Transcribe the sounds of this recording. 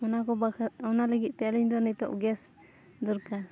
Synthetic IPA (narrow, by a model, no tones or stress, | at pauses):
ɔnakɔbaɔnaləɡit̪̚ˀt̪ɛliɲd̪ɔnɛt̪ɔ̰ʔɡɛs | d̪ɔɾka